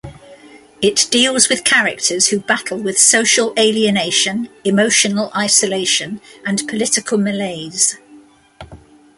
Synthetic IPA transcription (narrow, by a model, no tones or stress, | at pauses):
ɪʔd̥iːlˠzwɪð̥kʰaɹɪk̚tʰəz̥hʉbatʰˡəl̩ˠwɪð̥səʊʃəleɪliəneɪʃə̃nɪmoʊʃənəlʔaɪsəleɪʃə̃nʔə̃npʰəlɪtɪkʰəlˠməleɪz̥